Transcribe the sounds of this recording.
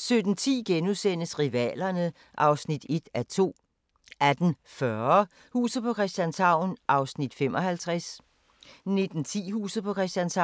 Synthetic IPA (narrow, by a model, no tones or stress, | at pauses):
sød̥n̩t͡sʰḭːɡ̥enuðˠsen̰əsʁiʋɛ̰ːlɐnə | ʔɑ̈ʊsnid̥e̝d̥æt͡sʰo̝̰ː | æd̥n̩fɶɐɐ | hṵːsð̩ˠpʰɒ̽kʰʁɛsd̥jænsʰɑ̈ʊ̰nʔɑ̈ʊsnid̥fem̰ɒ̽hælt͡sʰʁɛs | ne̝d̥n̩t͡sʰḭːhṵːsð̩ˠpʰɒ̽kʰʁɛsd̥jænsɑ